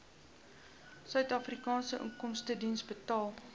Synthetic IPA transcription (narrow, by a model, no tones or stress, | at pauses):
sœɥtɑːfrikɑːnsəʔə̰ŋkɔmstədinsbətɑːlˠ